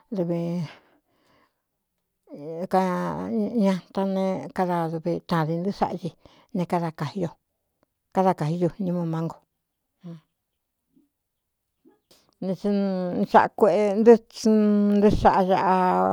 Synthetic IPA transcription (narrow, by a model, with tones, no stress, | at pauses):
d̪u˧βi˧ | ka˧ | ɲã˧t̪a˦˧nẽ˦˧ka˦ða˧ðu˧βi˧t̪ã˨ði˧nd̪ɨ˦ʂa̰˦ʔʒi˧ | nẽ˧ka˦˧ða˧ka˨hi˧jo˧ | ka˦ða˧ka˨hi˧ju˧nĩ˧mõ˧mã˦ŋɡo˧ | hã˧ | nĩ˧t͡ʃi˧ʂa̰˧ʔkʷe˧ʔe˧nd̪ɨ˦t͡ʃnd̪ɨ˦ʂa˧ʔa˧ʒa˧ʔa˧